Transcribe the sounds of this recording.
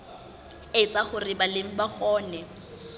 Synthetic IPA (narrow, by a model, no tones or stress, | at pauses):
ɪt͡saχʊrɪbalem̩baχɔːnɛ